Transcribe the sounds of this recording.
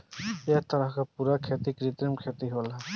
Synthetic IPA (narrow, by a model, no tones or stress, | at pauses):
ek̚ʰt̪əɾəɦkapuɾakʰet̪ikɾit̪ɾimkʰet̪iɦola